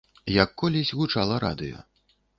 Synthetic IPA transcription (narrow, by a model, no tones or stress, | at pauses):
jakːɔlʲisʲɣut͡ʂalˠɐɾa̰d̪ɨ̰jɔ̰